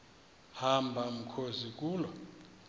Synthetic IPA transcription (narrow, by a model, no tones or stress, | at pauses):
hambʱam̩kʰozik̬ʼuːlɔ